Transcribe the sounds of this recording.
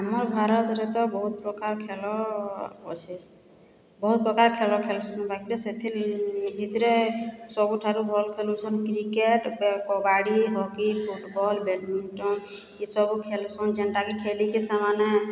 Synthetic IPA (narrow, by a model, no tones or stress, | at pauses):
ɦəmɔɾbʱaɾɔt̪ɾet̪ɔbɔɦut̪̚pɾɔkaɾkʰelɔ | ɔ̰t͡ʃʰɛs | bɔɦut̪̚pɾɔkaɾkʰelɔkʰelsɔnbakit̪ɔset̪ʰilbʱit̪ɾesɔbuʈʰaɾubʱɔlkʰelut͡ʃʰɔnkɾikeʈbkɔɡaɽiɦɔkipʰuʈbɔlbeʈminʈɔm | isɔbukʰelsɔnd͡ʒenʈakekʰelikesamane